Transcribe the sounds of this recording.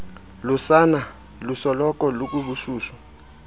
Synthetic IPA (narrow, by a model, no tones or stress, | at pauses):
lusana | lusɔlɔk̬ʼɔluk̬ʼuɓuʃuːʃwa